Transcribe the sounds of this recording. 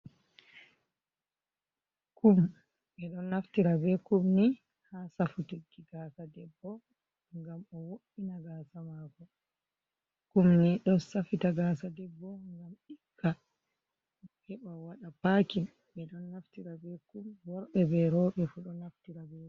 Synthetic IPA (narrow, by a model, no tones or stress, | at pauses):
kum | ɓɛɗɔnːaftiɾabɛkumni | hasafutikːiɡaːsadɛbːɔ | ŋɡamɔwoʔinaɡaːsamakɔ | kumniɗɔnsafitaɡaːsadɛbːɔŋɡamikːa | hɛɓawaɗapakin | ɓɛɗɔnːaftiɾabɛkumwɔɾɓɛbɛɾɔɓɛfuɗɔnaftiɾabɛ